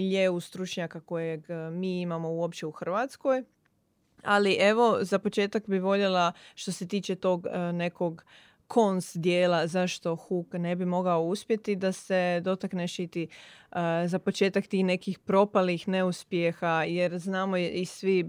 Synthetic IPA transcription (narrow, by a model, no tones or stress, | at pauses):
ʎeust̪ɾut͡ʃɲakako̞jeɡmiːimamo̞uo̞pt͡ɕeuxr̩ʋat̪sko̞j | a̰liʔe̞ʋo̞zapo̞t͡ʃe̞ːt̪akbiʋo̞ʎelaʃt̪ose̞t̪iːt͡ʃe̞t̪o̞ːɡne̞ko̞ɡ | kʰo̞nsd̪jeːlazaʃt̪o̞xukne̞bimo̞ɡaouspje̞t̪id̪ase̞d̪o̞t̪akneʃit̪i | zapo̞t͡ʃeːt̪akt̪iːxne̞kixpɾo̞palixne̞uspjexajeɾznaːmoisʋi